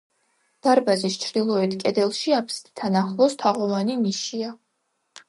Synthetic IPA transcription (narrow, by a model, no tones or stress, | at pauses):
d̪̥aɾbazist͡ʃʰɾd̪ilˠɔɛt̪ʰkʼɛd̪ɛlˠʃiapʰst̪t̪ʰanaχlˠɔst̪ʰaʁɔvaniniʃia